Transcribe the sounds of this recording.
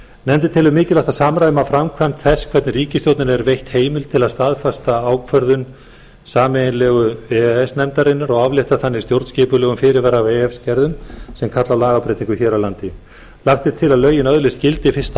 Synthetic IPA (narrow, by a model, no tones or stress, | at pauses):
nɛmt̪̬ɪt̪ʰɪlʏmːɪːcɪlaht̪asaːmɾajðʏmafɾamkʰvamt̪θɛskʰv̥ɛt̪nɪriːcɪst̪jowt̪nɪnɛɾvejht̪heːjmɪl̥t̪ʰɪlaðst̪aðfast̪aaːwkʰvœɾðʏn | saːmenlɛːɣʏɛɛsnɛmt̪aɾɪnːaɾɔɣavlɪht̪aθanːɪst̪jowɾt̪scɪːpʏlɛːɣʏmfɪːɾɪɾvɛɾaveɛfscɛɾðʏmsɛmkʰat̪lawlaːɣapɾejt̪iŋkʏçɛːɾawlant̪ɪ | laxt̪ɪt̪ʰːɪlaðlœːɥjɪnœðlɪst̪cɪlt̪ɪfɪr̥st̪